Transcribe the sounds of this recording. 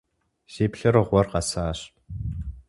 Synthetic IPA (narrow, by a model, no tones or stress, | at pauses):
ʒ̥iːpɬɐɾɨʁʷɔrqɑsaːɕ